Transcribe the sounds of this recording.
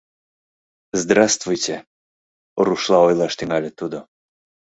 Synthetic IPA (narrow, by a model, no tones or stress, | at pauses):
zd̪ɾast̪vujt̪ʲɛ | oɾuʃlˠaɔjlˠaʃt̪iŋalʲɛt̪ud̪ɔ